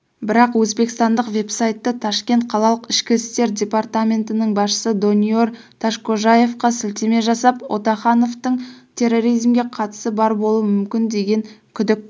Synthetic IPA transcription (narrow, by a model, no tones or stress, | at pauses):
bɪɾɑqwɵzbe̞kɪst̪ɑnd̪əqve̞psajt̪ːət̪ʰɑʃkʲe̞nt̪̚qʰɑlˠɑlˠəqɪʃkʲɪst̪e̞ɾdʲe̞part̪amʲe̞nt̪ɪnɪɴbɑsʃə̥səd̪o̞nio̞ɾ | t̪ʰɑʃko̞ʒaje̞fqɑsɪlt̪eme̞ʒɑsɑpwo̞̰t̪ɑχɑno̞ft̪əɴt̪ʲʰe̞rːo̞ɾijzmɡʲe̞qʰɑt̪ə̥səbɑɾbo̞lˠuəmʏmkʲɪnd̪e̞ɡʲe̞ŋkʲʰʏd̪ɪk̚ʲ